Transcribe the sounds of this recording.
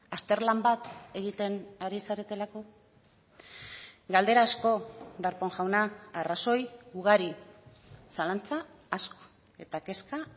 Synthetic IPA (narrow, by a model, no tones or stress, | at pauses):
ast̪e̞ɾlambat̪e̞ɣ̞it̪e̞naɾisaɾe̞t̪e̞lako̞ | ɡald̪e̞ɾaːsko̞daɾpo̞ŋʝawnaaraso̞juɣaɾi | salant͡saasko̥ | e̞t̪ake̞ska